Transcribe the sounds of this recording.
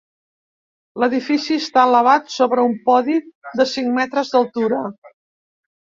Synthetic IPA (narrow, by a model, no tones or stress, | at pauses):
ləðifisiəst̪aələβ̞at̪soβɾəumpɔðid̪əsiŋmɛt̪ɾəzðəlˠt̪uɾə